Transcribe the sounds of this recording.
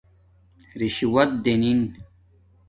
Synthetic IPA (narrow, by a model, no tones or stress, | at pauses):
ɾiɕiwɐt̪̚d̪enin